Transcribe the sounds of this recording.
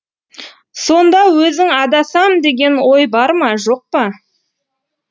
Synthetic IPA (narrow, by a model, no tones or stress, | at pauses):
so̞nd̪ɑwɵzɪŋɑd̪ɑsɑmd̪e̞ɡʲe̞nwo̞jbɑɾmɑʒo̞q̚pɑ